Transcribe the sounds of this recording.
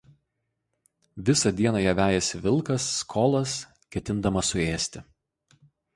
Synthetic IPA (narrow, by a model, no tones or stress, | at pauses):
ʋʲɪsɐd̪ʲiɛnɐjɛʋʲæːjɛsʲɪʋʲɪlˠˑkɐsːkʰoːlˠɐs | kʲɛt̪ʲɪnd̪ɐmɐsʊeːsʲt̪ʲɪ